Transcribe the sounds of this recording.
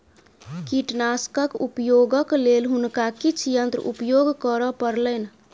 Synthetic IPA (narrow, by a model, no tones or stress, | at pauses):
kiʈnaskəkupjoɡəklelɦunkakit͡ʃʰjənt̪ɾṵpjoɡkəɾəpəɾlən